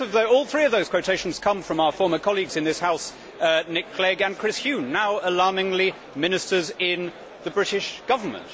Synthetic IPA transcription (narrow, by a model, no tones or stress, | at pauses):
əvðəʊɔːlˠθɹiːəʌvðəʊz̥kʰw̥əʊtʰeɪʃn̩z̥kʰʌ̃ɱfɹʌ̃maʊə˞fɔːɹməkʰɒlˠiɡzɨ̃nðɪshaʊs | nɪkʰl̥ɛɡə̃nkʰɹ̥ɪshjʉnːaʊəlɑɹmɪ̃ŋli | mɪ̃nɪstəzɪ̃n | ðəbɹɪɾɪʃɡ̥ʌvəmə̰̃nt